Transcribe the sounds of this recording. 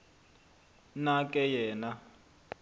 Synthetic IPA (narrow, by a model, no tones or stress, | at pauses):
nakʼɛjɛːna